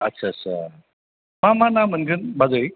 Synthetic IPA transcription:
ətːɕʰasʰa | mamanamənɡɯnbad͡zoj

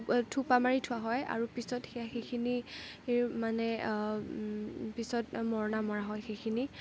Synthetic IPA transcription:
tʰupamaɹitʰʊaɦɔja̰ɹupisɔtxɛjaxejkʰini | manɛ | pisɔt̚mɔɹɔnamɔɹaɦɔjxejkʰini

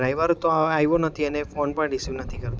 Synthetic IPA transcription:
ɾajʋəɾt̪oaajʋonət̪ʰiənefonpəɳɖisjunət̪ʰikəɾt̪ã

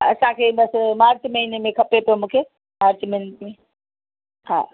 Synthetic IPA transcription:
əsãkʰebəsmaːɾt͡ʃməinmẽkʰɐpepomũkʰe | maɾt͡ʃmenʈme | ɦã̰

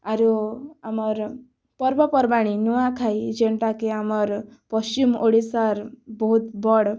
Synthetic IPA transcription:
aɾuamɔɾ | pɔɾbɔpɔɾbaɽ̃inuakʰajd͡ʒeɳʈakeamɔɾpɔst͡ʃimʔoɽisaɾbɔɦut̪bɔɽ

